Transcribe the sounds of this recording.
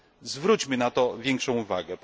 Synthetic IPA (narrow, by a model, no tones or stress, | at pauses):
zvɾut͡ɕmɘnat̪ɔvʲjɛŋkʂɔ̃w̃uvaɡɛp